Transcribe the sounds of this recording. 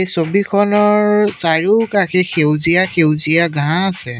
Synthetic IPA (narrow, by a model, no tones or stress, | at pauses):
ejsobikʰɔnɔɹsaɹukaxɛxewzijaxewzijaɡʱãasɛ